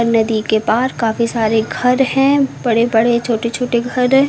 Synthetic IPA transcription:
əɾnɐd̪ikepaːɾkaːfisaːɾeɡʱɐɾɦɛ̃ːbɐɽebɐɽet͡ʃʰoːʈet͡ʃʰoːʈeɡʱɐɾ

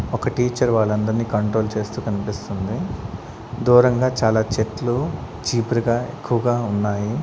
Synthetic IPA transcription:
ɔkɐʈiːt͡ʃɐɾʋaːɭːɐnd̪ɐɾniːkɐɳʈɾo̞ːlt͡ʃe̞ːst̪uːkɐnipist̪und̪i | d̪uːɾɐŋɡaːt͡ʃaːlaːt͡ʃeʈlu | t͡ʃiːpɾiɡaːḛkːuʋɐɡaːunːaːji

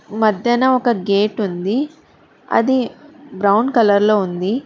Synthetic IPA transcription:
mɐd̪jɐnɐɔkɐɡe̞ːʈund̪i | ɐ̰d̪ibɾɐwɳɖkɐlɐɾlo̞ːund̪i

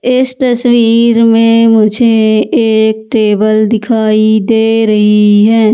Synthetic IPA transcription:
ɪst̪ɐswiːɾmẽmʊd͡ʒʱeeːk̚ʈeːbəld̪ɪkʰaːid̪eːɾɐɦiɦɛː

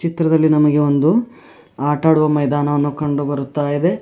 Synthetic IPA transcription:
t͡ʃit̪ɾɐd̪ɐlːinɐmɐɡe̞o̞nd̪u | aːʈaːɽuʋɐmɐjd̪aːnɐʋɐnːukɐɳɖubɐɾut̪ːaːjid̪e

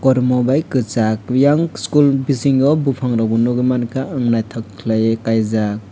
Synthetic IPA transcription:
kɔɾmɔbajkɯt͡ʃakjaŋskulbisiŋjɔbupʰaŋɾɔbunɔɡɯmankaɯŋnajtʰɔkʰlajekajzak̚

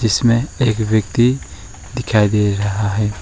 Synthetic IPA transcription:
d͡ʒɪsmẽeːkbjəkt̪i | d̪ɪkʰaːid̪eɾɐɦaɦɛː

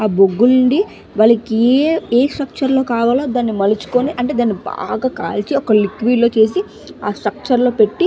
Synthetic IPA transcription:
aːboɡːuluɳɖi | ʋaːɭɐkieeːsʈɾɐk̚t͡ʃɐɾlo̞ːkaːʋaːlaːd̪aːnːimɐlut͡ʃu̥ko̞niʔɐɳʈeːd̪aːnːiba̰ːɡaːka̰ːlt͡ʃiɔkɐlikʋiːlo̞ːt͡ʃe̞ːs̬i | aːsʈɾɐk̚t͡ʃɐɾlo̞ːpe̞ʈːi

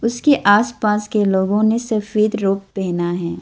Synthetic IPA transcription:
ʊskeʔaːspaːskeloːɡõnesɐfiːd̪ɾoːp̚bɛːnaɦɛ̃ː

